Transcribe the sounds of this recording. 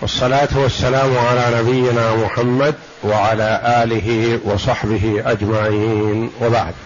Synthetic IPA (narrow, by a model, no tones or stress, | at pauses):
ʔɑsˤːɑlaːt̪wasːalaːmʕalaːnabɪjːɪnaːmʊħamːad̪ | waʕalaːʔaːlɪɦiwɑsˤɑħbɪɦiʔad͡ʒmaʕiːnwabaʕd̪